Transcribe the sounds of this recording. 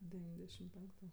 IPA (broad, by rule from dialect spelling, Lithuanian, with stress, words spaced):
dʲɛˈʋʲiːnʲdʲɛʃʲɪm ˈpʲɛŋktʊ